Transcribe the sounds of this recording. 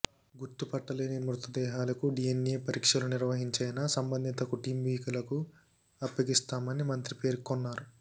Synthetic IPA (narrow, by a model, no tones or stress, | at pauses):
ɡuɾt̪upɐʈːɐleːnimɾut̪ɐd̪ɛːɦaːlɐkuɖijeneːpɐɾiːkʂɐluniɾʋɐɦiɲt͡ʃɐjnɐsɐmbɐnd̪ʱit̪ɐkuʈiːmʋiːkɐlɐku | ɐpjɐɡist̪aːmɐnimɐnt̪ɾipe̞ːɾkikɔnːaːɾu